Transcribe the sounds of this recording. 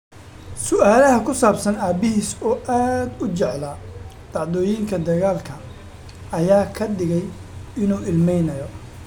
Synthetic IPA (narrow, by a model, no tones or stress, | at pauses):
sʊʔaːlɐɦɐkʰʊsaːbsɐnaːbɪɦiːsɔːʔaːd̪ʊt͡ʃɛʕlɐ | d̪̥ɑʕd̪ɔːjiːŋkʰɐd̪ɐɣaːlkʰɐ | ɐjaːkʰɐɖɪɣɛjɪnuːɪlmɛjnɐjɔ